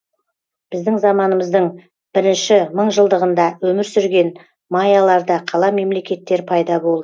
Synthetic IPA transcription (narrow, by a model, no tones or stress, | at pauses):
b̥ɪzd̪ɪŋzɑmɑnəməzd̪əɴ | b̥ɪɾɪnʃɪməɴʒəlˠd̪əʁənd̪ɑwɵmɪɾsʏɾɡʲe̞n | mɑjalˠɑɾd̪ɑqʰɑlˠɑme̞mle̞kʲe̞t̪ːe̞ɾpʰɑjd̪ɑbo̞lˠd̪ə